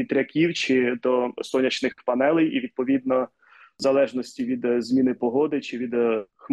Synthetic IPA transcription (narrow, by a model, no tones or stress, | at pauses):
it̪ɾʲɐkʲiwt͡ʃɪd̪ɔsɔnʲɐt͡ʃnɪxpɐnɛlˠɛjiʋʲid̪̚pɔʋʲid̪nɔ | zɐlˠɛʒnɔsʲtʲiʋʲid̪zmʲinɪpɔɦɔd̪ɪt͡ʃɪʋʲid̪x